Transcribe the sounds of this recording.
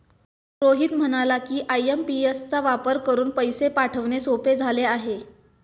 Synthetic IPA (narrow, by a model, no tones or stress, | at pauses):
pɾoɦiːt̪m̤əɽ̃alakiːʔajempiest͡saʋapəɾkəɾuːnpəjsepaʈʰəʋnesoped͡zʱaleaɦe